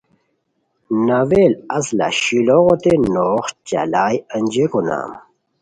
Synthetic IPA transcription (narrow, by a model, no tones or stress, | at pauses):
naweːlɐsla̰ɕiloʁot̪enoːχt͡ɕa̰laːjənd͡ʑekona̰ːm